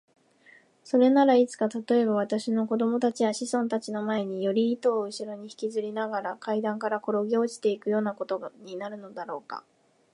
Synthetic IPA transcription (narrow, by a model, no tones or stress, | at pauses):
so̞ɾe̞naɾait͡sɨ̥kat̪at̪o̞e̞βaβ̞at̪aɕino̞ko̞d̪o̞mo̞t̪at͡ɕijaɕisõ̞nt̪at͡ɕino̞mae̞ɲ̟ijo̞ɾʲiːt̪o̞ːɯ̟ɕiɾo̞ɲ̟içi̥kʲizɨɾʲinaɡaɾakaid̪ãŋkaɾako̞ɾo̞ɡʲoʑi̥t̪e̞ikɯ̟jo̞ːnako̞t̪o̞ɲ̟inaɾɯ̟no̞d̪aɾo̞ːka̰